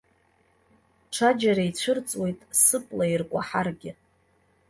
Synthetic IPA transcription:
ʈ͡ʂʰad͡ʒaɾait͡ɕʷʰɨrt͡sʼwe̞jtʼsɨpʼlairkʷʼaħarɡʲɪ

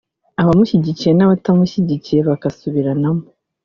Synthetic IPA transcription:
aβamuçiɟiciɾenaβatamuçiɟiciɾeβakasuβiɾanamu

